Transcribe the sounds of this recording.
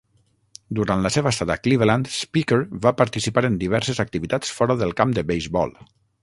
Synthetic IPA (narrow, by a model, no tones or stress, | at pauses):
d̪uɾant̪ləseβəst̪aðakliβelant̪spikeɾβapaɾt̪isipaɾend̪iβɛɾsezak̚t̪iβit̪at͡sfɔɾəðəlˠkamd̪əβejzbɔ̰lˠ